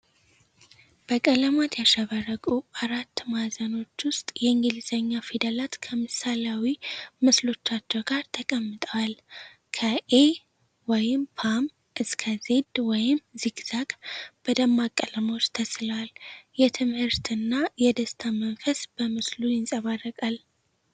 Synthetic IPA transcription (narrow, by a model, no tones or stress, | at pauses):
b̥əkʼələmat̪ʰjaʃəβərəɡʼuʔaɾat̪ːmazəno̞t͡ʃːwʊst̪ʼjɛɨŋɡɨlzəɲːafid̪əlat̪kʰəmɨsalawimɨslo̞t͡ʃːat͡ʃːɛɡaɾt̪ʰəkʼəmːɨt̪ʼəwal | kʰəʔe | wɔjɪmpʰam | ʔɨskʰəze̞d̪wɔjɪmziɡz̥akʼb̥əd̪əmːakʼːələmot͡ʃːt̪ʰəsləwaljɛt̪ʰɨmhɨɾt̪ʰɨnːajɛd̪əst̪ʰamənfəsb̥əmɨslujɪnsʼəβarːəkʼal